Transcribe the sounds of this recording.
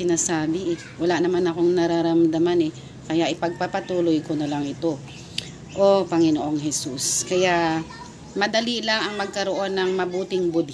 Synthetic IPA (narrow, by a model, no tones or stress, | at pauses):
ɪnaːsaːbɪʔɛ | wɐlaʔnɐmanɐko̞ŋnɐɾaɾɐmd̪ɐmanɛ | kɐjaʔɪpɐɡ̚papɐt̪uːlojkonɐlaŋɪt̪o̞ | ʔopɐŋɪnoʔo̞ŋɦɛsuskɐjaʔ | mɐd̪ɐlilɐŋɐŋmɐɡ̚kɐɾo̞ʔo̞nːɐŋmɐbuːt̪ɪŋbʊd̪